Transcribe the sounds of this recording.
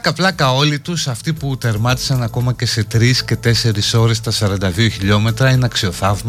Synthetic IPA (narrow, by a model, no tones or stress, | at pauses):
ɐkɐplɐkɐo̞lit̪usɐft̪iput̪e̞ɾmɐt̪i̥sɐnɐko̞mɐce̞se̞t̪ɾisce̞t̪e̞se̞ɾisso̞ɾe̞st̪ɐsɐɾɐnd̪ɐðioçiʎo̞me̞t̪ɾɐinɐksio̞θɐvmɐ